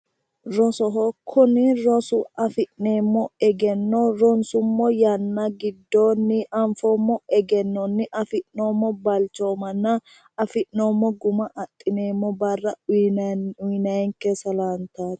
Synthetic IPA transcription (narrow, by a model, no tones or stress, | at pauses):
ɾɔsɔɦɔkʰːʊnɪɾɔsʊɐfɪʔne̞ːmːɔɛɡɛnːɔɾɔnsʊmːɔjɐnːɐɡɪd̪ːoːnːɪɐɱfomːɔɛɡɛnːɔnːɪʔɐfɪʔno̞ːmːɔbɐlt͡ʃːo̞ːmɐnːɐ | ɐfɪʔnoːmːɔɡʊmɐʔɐt̪ʼːɪne̞ːmːɔbɐrːɐ | ʊjnɐjɛŋkːɛsɐlaːnt̪aːt̪